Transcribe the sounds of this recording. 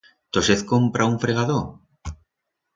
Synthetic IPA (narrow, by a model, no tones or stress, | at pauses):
t̪oseθkompɾʔauɱfɾeɣ̞aðo